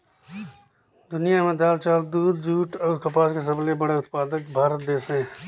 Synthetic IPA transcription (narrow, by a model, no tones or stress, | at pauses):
d̪ʊnijamẽd̪aːlt͡ʃaːld̪uːd̪d͡ʒuːʈɔːɾkɐpaːskes̬ɐblebəɽeʊt̪paːd̪əkbʱaːɾət̪̚d̪eːsẽ